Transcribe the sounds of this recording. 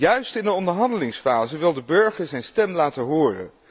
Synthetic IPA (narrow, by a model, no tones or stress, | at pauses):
jœɥstɪndəɔndəɹɦɑndəlɪŋsfaːzəʋɪlˠdəbɵɹχəɹzɛjnstɛmlaːtəɦʊːrə̰n